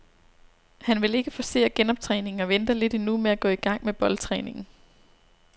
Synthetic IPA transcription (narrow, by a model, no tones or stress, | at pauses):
hænʋe̝le̝ɡ̥əfɒ̽se̝̰ːɐɡ̥enɒ̽b̥̚t͡sʰʁɛːne̝ŋŋ̩ɒ̽ʋend̥ɐle̝d̥inumeæɡ̥ɔ̰̽ːiɡ̥ɑ̈ŋ̰meb̥ɒ̽lt͡sʰʁɛ̰ːne̝ŋn̩